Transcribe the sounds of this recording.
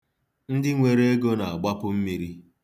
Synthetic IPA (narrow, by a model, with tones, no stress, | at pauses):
n̩˦dɪ˦ŋʷe˨ɾe˦e˦ɡo˦na˨a˨ɡ͡ba˦pʊ˦m̩˦mi˨ɾi˦